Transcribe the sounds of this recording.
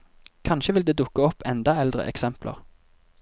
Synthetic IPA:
kʰɑnʃəʋɪld̪eːd̪ʊkːəɔpʰɛnd̪ɑɛld̪ʁə̰ʔɛ̰ksɛmplʔə̰ʁ

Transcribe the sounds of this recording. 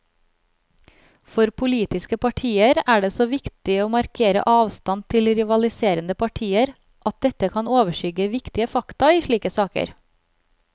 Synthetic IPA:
fɔɾpʰʊliːt̪ɪskəpʰɑʈʰiːəɾæːɖeːsoːʋɪkt̪ɪoːmɑɾkʰeːɾə̰ʔɑːʋst̪ɑnt̪ʰɪlɾɪʋɑlɪseːɾənd̪əpʰɑʈʰiːəɾ | ʔɑt̪̚d̪ɛt̪əkʰɑnoːʋəʃʏɡəʋɪkt̪ɪəfɑkt̪ɑiːʃɭiːkəsɑːkə̰ɾ

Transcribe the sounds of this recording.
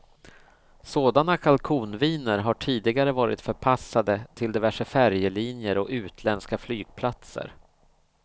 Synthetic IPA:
soːd̪anakʰalkʰuːnviːnəɾɦaʈʰiːd̪ɪɡaɾəvɑːɾɪ̰t̪fœɾpʰasːad̪ət̪ʰɪld̪ɛvæʂəfæɾjəliːnjəɾɔʉ̟ːt̪ʰlɛnskaflyːɡ̥̚pʰlat̪sə̰ɾ

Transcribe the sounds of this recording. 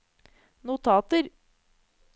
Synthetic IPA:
nʊt̪ʰɑːt̪əɾ

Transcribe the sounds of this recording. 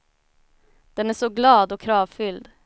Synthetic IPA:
d̪̥ɛnæːʂɔɡlɑːd̪ɔkʰɾɑːvfʏld̪

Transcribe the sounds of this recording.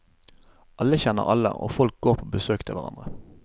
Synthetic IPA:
ʔɑlːəçɛnːə̰ʁɑlə̰ʔo̰ːfɔlk̚ɡoːʁpʰoːbəsøːkt̪ʰɪlʋæ̰ʁɑ̰nd̪ʁə

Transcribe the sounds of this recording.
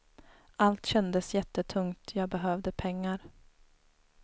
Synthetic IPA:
ʔalt̪ɕɛnd̪əsjɛt̪ːət̪ʰɵŋt̪ʰjɑːɡ̚bɛɦœːvd̪əpʰɛŋːaɾ

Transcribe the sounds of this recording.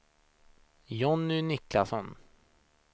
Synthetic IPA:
jɔnːʏnɪklasɔn

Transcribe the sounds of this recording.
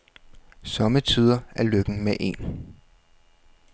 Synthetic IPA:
sɒ̽mət͡sʰiːð̞ˠɐæɐløɡ̥n̩meʔe̝̰ːn

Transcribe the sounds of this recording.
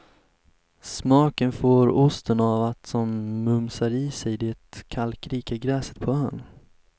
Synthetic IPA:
smɑːkənfoːɾʊst̪ʰənavat̪sɔmːɵmsaɾiːsɛjd̪ɛt̪kʰalkɾiːkaɡɾɛːsə̥t̪pʰɔœːɳ

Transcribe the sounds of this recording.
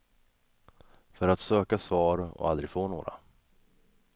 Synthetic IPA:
fœɾat̪søːkasvɑːɾɔ̰a̰ld̪ɾɪɡfoːnoːɾa̰

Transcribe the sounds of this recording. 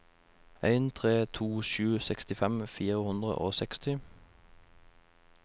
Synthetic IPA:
æɪnt̪ʰʁeːt̪ʰuːʃʉːsɛkst̪ɪfɛmfiːʁəhʉnd̪ʁə̰ʔoːsɛkst̪ɪ

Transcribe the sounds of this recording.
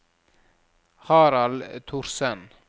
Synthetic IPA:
hɑːɾɑlt̪ʰʊɾsɛn

